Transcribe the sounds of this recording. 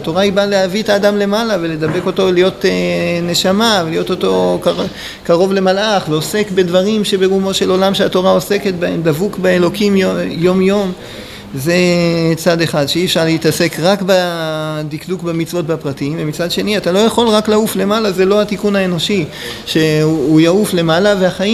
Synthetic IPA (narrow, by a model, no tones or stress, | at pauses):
at̪o̞ʁaibalehavietaːdamle̞malavele̞d̪abe̞ko̞to̞lijo̞tene̞ʃamavelijo̞t̪o̞to̞k | kaʁo̞vle̞malʔaχleose̞kbe̞d̪vaʁimʃe̞be̞ʁumo̞ʃe̞lo̞lamʃeato̞ʁao̞se̞ke̞tbaemd̪avukbaelo̞kimojo̞mjo̞m | ze̞t͡sad̪e̞χad̪ʃeiːefʃaʁleitase̞kʁakbad̪ikdukbemit͡svo̞t̚bapʁatiimvemit͡sad̪ʃe̞niatalo̞jaχo̞lʁaklaufle̞malazelo̞hatikunaeno̞ʃi | ʃe̞ujaufle̞malave̞aχaji